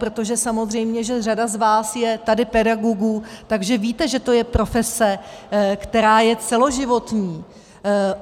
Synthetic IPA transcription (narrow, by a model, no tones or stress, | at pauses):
pɾo̞t̪o̞ʒɛsamo̞zr̝ɛjmɲɛʒɛradazvaːsjɛt̪adɪpɛdaɡoɡut̪aɡʒɛviːt̪ɛʒɛt̪o̞jɛpɾo̞fɛsɛkt̪ɛɾaːjɛt͡sɛlo̞ʒɪvo̞t̪ɲiː